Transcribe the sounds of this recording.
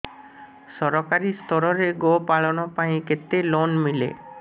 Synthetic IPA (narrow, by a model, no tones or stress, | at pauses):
sɔɾɔkaɾist̪ʰɔɾɔɾeɡopaɭɔnɔpaĩket̪elonmilḛ